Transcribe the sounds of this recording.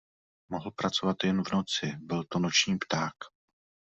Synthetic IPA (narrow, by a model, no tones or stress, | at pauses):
moɦl̩pɾat͡so̞vat̪jɛnvno̞t͡sɪbɪlt̪o̞not͡ʃɲiːpt̪aːk